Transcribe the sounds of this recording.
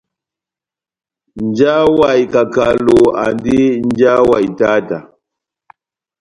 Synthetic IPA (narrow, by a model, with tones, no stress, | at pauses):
nd͡ʒa˦wa˨ji˨ka˨ka˨lo˨a̰˨ndi˦nd͡ʒa˦wa˨i˨ta˦ta˨